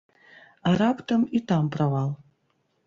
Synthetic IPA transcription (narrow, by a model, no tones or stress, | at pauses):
aɾapʷʰʼtʰamitʰampʰʼraʁal